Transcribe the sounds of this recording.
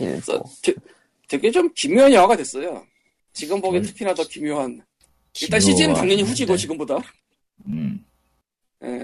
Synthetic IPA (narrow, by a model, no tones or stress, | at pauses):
s͈ʌ̰te | twe̞ɡe̞t͡ɕomkimjuɦanjʌŋwaɡadwe̞s͈ʌjo̰ | t͡ɕiɡɯmbʌɡetʰɯkʰinadʌkimjoɦan | iɭt͈anɕʰid͡ʑiɯntaŋɲʌɲiɸud͡ʑiɡot͡ɕiɡɯmboda | je̞̰